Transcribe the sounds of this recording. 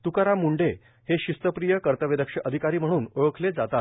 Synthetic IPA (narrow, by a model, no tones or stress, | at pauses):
t̪ukaɾamuɳɖe | heɕist̪əpɾijəkəɾt̪əʋed̪əkʂəʔəd̪ʱikaɾiːm̤əɽ̃uːnəɭəkʰled͡zat̪at̪̚